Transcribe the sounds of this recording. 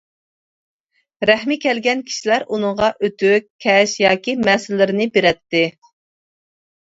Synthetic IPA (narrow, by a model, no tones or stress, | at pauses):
ɾɛhmɪkʲʰɛlɡʲɛnkʲʰi̥ʃilæɾunɨŋʁɑʔøt̪ʰykʲʰːɛʃjɑːkʲimɛsɪlːɪɾɪnɪbeɾɛt̪ːɪ